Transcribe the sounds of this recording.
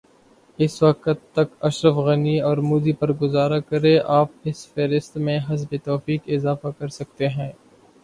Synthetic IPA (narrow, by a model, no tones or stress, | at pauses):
ɪsʋɐqət̪ːɐkɐʃɾəfɣɐniɔːɾmuːd̪ipɐɾɡʊzaːɾakɐɾẽʔaːp̚ɪsfeːɾɪst̪mẽɦɐzbet̪ɔːfiːkɪzaːfakɐɾsɐk̚t̪eɦɛ̃ː